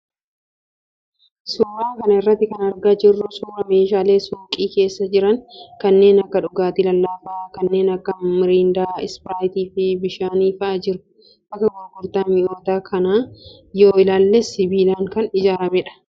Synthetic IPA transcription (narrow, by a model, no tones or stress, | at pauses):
suːɾaːkɐnɐɪrːɐt̪ːɪkɐnɐɾɡɐd͡ʒɪrːʊsuːɾɐme̞ːʃaːle̞ːsʊŋkʼiːke̞ːsːɐd͡ʒɪɾɐŋkɐnːe̞ːnɐkːɐᶑʊɡaːt̪ɪlɐlːaːfaːkɐnːe̞ːnɐkːɐmɪɾiːnd̪aːɪ̰spɪɾaːjt̪iːfɪbɪʃaːniːfɐd͡ʒɪɾʊ̥ | bɐkːɐɡoɡʊɾt̪aːmɪot̪aːkʰɐnaː | jo̞ːɪlaːlːesɪbiːlaːŋkɐnɪd͡ʒaːɾɐmɛᶑɐ̥